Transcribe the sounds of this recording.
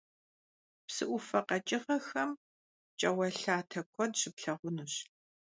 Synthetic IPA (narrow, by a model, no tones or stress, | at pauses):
psɨʔʷʊfɐqɐt͡ʃʼɪʁɐxɐm | t͡ʃʼɐwɐɬaːtʰɐkʷʰɔdɕɪpɬɐʁʷʊnuɕ